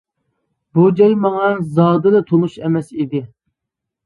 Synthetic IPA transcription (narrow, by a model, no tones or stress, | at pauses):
bud͡ʒɛlmɑŋɑzɑːd̪ɨlɛt̪ʰonuʃɛmɛsid̪ɪ